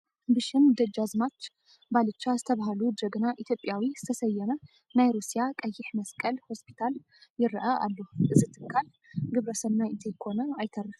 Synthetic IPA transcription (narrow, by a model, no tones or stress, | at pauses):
bɨʃɪnd̪əd͡ʒazmat͡ʃː | balɨt͡ʃːazɨt̪ʰəβaɦalud͡ʒ̪əɡɨnaʔit̪ʰjo̞pʼːjawizɨ̥t̪ʰəsəjːɛnə | najɾusijakʼəjːɪħməskʼəlho̞spʰi̥t̪ʰal | jɪɾːɨʔaʔalːuhʔɨzɨt̪ʰɨkʰːal | ɡɨβɾəsəβnaɪt̪ʰekʰo̞nəajt̪ʰərːɨh